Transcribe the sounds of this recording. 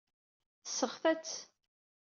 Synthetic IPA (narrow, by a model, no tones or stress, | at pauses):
θsəʁfæt͡sː